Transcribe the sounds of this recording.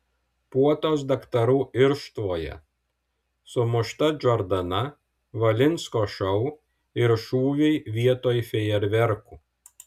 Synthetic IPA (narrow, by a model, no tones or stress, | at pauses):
puɔt̪oːsd̪ɐkt̪ɐɾuːʔɪɾʃt̪ʋoːjɛ̰ | sʊmʊʃt̪ɐd͡ʒʲɔɾd̪ɐnɐ | ʋɐlʲɪnʲˑskoːʃɔʊ | ɪɾʃuːʋʲɛɪʋʲiɛt̪oːjfʲɛɪɛɾʲʋʲɛɾkuː